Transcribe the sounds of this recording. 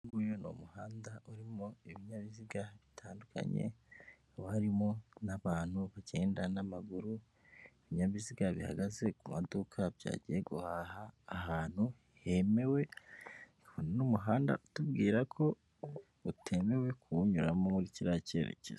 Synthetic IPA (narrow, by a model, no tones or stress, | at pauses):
ŋɡujono̰muhaːndauɾimoiβiɲaβiziɡaβitʰaːndukʰa̰ɲḛ | waɾimo̞naβaːn̥huβaɟe̞ːndanamaɡuɾu | eβiɲaβiziɡaβiha̰ɡaze̞kumadukʰabja̰ːɟieɡuhahaːhaːn̥hu | he̞me̞we̞nikaβonenomuɦaːnda̰ʔutub̚ɡiːɾakʰo̞ | utʰe̞me̞we̞kʰuɲuɾamo̞muɾiciɾace̞̰ɾḛcez